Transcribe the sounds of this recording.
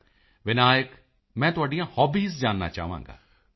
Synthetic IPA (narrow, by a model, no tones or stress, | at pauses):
ʋɪnaːjək | mɛ̃ːt̪ʊaːɖijãːhɔːbiːzd͡ʒaːnːa̰ːt͡ʃa̰ːɦʋã̰ːŋɡa̰ː